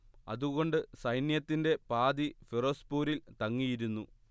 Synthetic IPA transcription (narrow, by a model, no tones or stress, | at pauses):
ɐ̰ðuɣo̞ɳɖɨsɐjnjɐt̪ːinde̞paːd̪ifiroːspuːɾilt̪ɐŋːijiɾunːu